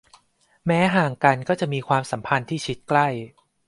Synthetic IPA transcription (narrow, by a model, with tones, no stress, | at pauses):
mɛː˦˥ɦaː˨˩ŋka˧nkɔː˥˩t͡ɕa˨˩ʔmiː˧kʰwaː˧msa˩˦mpʰa˧nt̪ʰiː˥˩t͡ɕʰi˦˥t̪̚kla˥˩j